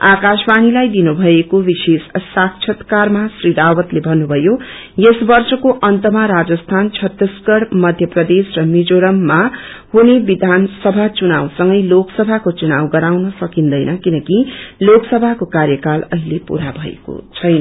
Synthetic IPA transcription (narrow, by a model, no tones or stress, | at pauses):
akasbanilajd̪inubʱʌekobisessakt͡ʃʰʌt̪karmasriɾawʌt̪lebʱʌnːubʱʌjo | jesbʌrsʌkoʔʌnt̪ʌmaɾad͡zʌst̪ʰant͡sʰʌt̪ːiskʌɽmʌd̪ʱjʌprʌd̪esrʌmid͡zoɾʌmːa | hunebid̪ʱansʌbʱat͡sunawsʌŋɡʌjloksʌbʱakot͡sunawɡʌɾawnʌsʌkind̪ʌjnʌkinʌkiloksʌbʱakokarjʌkalʌɦilepṵɾabʱʌḛko̰t͡sʰʌjnʌ